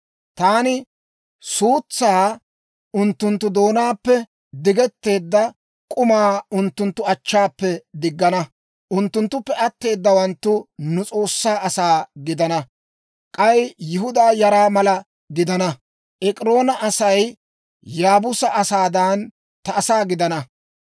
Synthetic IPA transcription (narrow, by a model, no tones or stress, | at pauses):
t̪aːnɪ | suːt͡sːaː | ʊnt̪ːʊnt̪ːʊd̪o̞ːnaːpːɛ | d̪ɪɡɛt̪ːe̞ːd̪ːɐ | kʼʊmaːʊnt̪ːʊnt̪ːʊɐt͡ʃːaːpːɛd̪ɪɡːɐnɐ | ʔʊnt̪ːʊnt̪ːʊpːɛʔɐt̪ːe̞ːd̪ːɐwɐnt̪ːʊnʊt͡sʼo̞ːsːaːʔɐsaːɡɪd̪ɐnɐ | kʼɐjjɪɦʊd̪aːjɐɾaːmɐlɐ | ɡɪd̪ɐnɐ | ʔɛkʼɪɾo̞ːnɐʔɐsɐj | jaːbʊsɐʔɐsaːd̪ɐn | t̪ɐːsaːɡɪd̪ɐnɐ